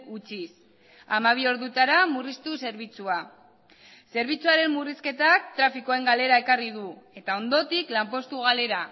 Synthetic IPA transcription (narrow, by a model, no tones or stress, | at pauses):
ut͡ʃis | amaβ̞io̞ɾðut̪aɾamurist̪use̞ɾβit͡sua | se̞ɾβ̞it͡suaɾe̞mːuriske̞t̪akt̪ɾafiko̞e̞ŋɡale̞ɾae̞karið̞ue̞t̪ao̞nd̪o̞t̪iklampo̞st̪uɣ̞ale̞ɾa